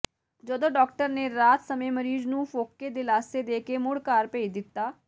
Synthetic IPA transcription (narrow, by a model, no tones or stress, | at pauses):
d͡ʒəd̪õːɖɔːk̚ʈəɾneːɾaːt̪səmẽːməɾiːznũːfoːkːeːd̪ɪlaːseːd̪eːkeːmʊɽkaːɾpeːid̪ɪt̪ːaː